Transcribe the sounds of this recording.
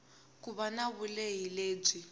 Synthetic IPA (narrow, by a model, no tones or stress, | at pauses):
kuβanaβuleɦileːb͡ʐi